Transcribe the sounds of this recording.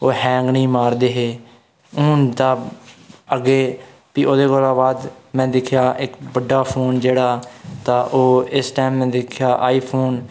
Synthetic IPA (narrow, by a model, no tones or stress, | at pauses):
oːɦɛ̃ːŋɡniːmaːɾd̪eːɦeː | ʊːnd̪aː | əɡeː | piːoːd̪eːkoːlaːbaːd̪mɛ̃ːd̪ɪkʰːjaːʔɪkbəɖːaːpʰoːnd͡ʒeːɽaːt̪aːʔoːɪsʈaɪmːɛ̃ːd̪ɪkʰjaːʔaːiːpʰoːn